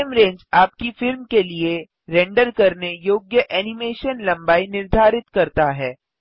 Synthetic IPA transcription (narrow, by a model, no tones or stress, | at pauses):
mɾẽːɲd͡ʒaːp̚kifɪɾmkelie | ɾɛ̃ːɳɖəɾkɐɾnejoːɡjəʔɛːnɪmeːʃənlɐ̃mbaːinɪɾd̪ʱaːɾɪt̪kɐɾt̪aɦɛː